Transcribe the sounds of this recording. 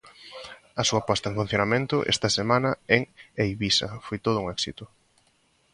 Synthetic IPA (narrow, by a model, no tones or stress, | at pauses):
ɐsuɐpɔst̪ɐẽɱfũn̟θjonamẽnt̪ʊʔḛst̪ɐsemãnɐeŋejβisɐ̰fojt̪oð̞ʊuŋɛksit̪ʊ